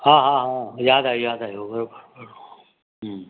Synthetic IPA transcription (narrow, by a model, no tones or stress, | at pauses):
ɦãːɦãːɦãjaːd̪aːjaːd̪aɦjobʱəɾobʱəɾbʱəɾo | ɦ